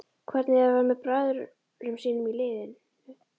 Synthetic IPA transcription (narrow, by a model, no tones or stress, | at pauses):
kʰvɛɾt̪nɪavaɾmɛðpɾaːðʏɾ | ɾʏmsiːnʏmilɪːðɪn